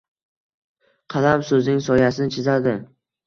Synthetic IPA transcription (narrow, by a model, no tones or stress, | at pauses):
qʰɑlamsɵznɪŋsɒjasɪnɪt͡ʃʰɪzad̪ɪ